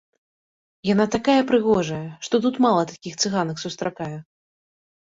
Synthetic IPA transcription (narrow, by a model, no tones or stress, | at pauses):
janat̪akajɛpɾɨɣɔʐɐjɛʂt̪ɔt̪ut̪malˠɐt̪akʲixt̪sɨɣanɐksust̪ɾʔakajɛ